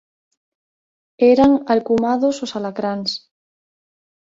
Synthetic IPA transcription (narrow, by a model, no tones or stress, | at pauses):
eɾaŋalkumaðososalakɾans